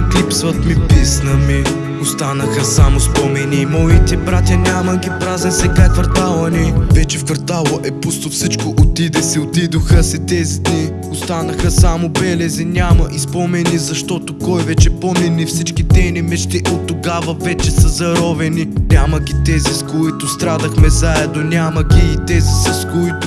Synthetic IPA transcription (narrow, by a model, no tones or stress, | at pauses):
k̪lipsvɐt̪mipisnɐmi | ost̪anɐxɐsamʊspɔmɛniːmɔit̪ɛbɾat̪ʲjɐnʲamɐɡʲipɾazɛnsɛkajkvɐɾt̪alˠɐnɛvɛt͡ʃɛfkvɐɾt̪alˠəʔɛpust̪ofsit͡ʃkoʔot̪id̪ɛsɛot̪id̪oxəsɛt̪ɛzid̪ni | ost̪anɐxəsamobɛlɛzinʲamɐʔispɔmɛnizɐʃt̪ɔt̪okɔjvɛt͡ʃɛpomɛnifsit͡ʃkit̪ɛnimɛʃt̪iʔot̪ːoɡavɐvɛt͡ʃɛsɐzɐɾɔvɛninʲamɐɡʲit̪ɛziskoit̪ʊst̪ɾad̪ɐxmɛzaɛd̪nonʲamɐɡʲiːt̪ɛzisɐskoit̪ʊ